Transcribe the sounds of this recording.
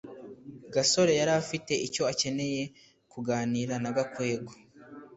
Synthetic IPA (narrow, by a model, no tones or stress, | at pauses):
ɡaso̞ɾe̞jaɾafite̞ʔico̞ace̞ne̞je̞ | kuɡaːniːɾanaɡakwe̞ːɡo